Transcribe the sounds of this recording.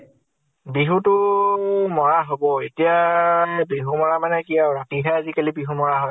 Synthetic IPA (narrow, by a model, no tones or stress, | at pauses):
biɦutʊ | mɔɹaɦobɔetija | biɦumɔɹamanɛkijaɹatiɦɛazikalibiɦumɔɹaɦɔ